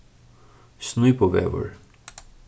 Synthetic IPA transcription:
snujpɔvɛ̰və̰ɹ

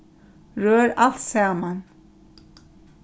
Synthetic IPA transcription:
ɹøːɾal̥t̪saːman

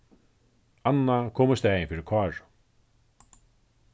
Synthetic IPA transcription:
anːakʰoːmʊst̪ɛːjɪnfiːɾɪɾkʰvɑːɹ

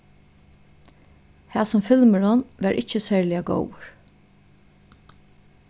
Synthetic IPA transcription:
hæːsʊmfɪlməɹʊnʋæɾʔɪ̰t͡ʃəsæːɹlɪaɡɔ̰wəɹ

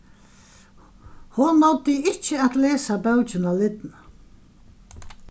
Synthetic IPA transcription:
hʊnːɔwt̪ɪɪt͡ʃəat̪leːsabɛwt͡ʃɪnalɪt̪na

